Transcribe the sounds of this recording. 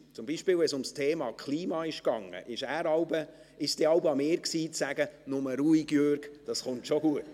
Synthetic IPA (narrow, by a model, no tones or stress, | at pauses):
t͡sʊmbiʃpɪːwʋɛsʊmstʰeːmɑːkʰliːmɑːɪʃkɑŋːə̰ʔɪʃæːɾɑwbə | ɪʃd̥eɑwbɑmeːɾksiːt͡sæɡ̥ənʊməɾuiɡ̥jøɾɡ̥d̥ɑsχʊntʃoɡuət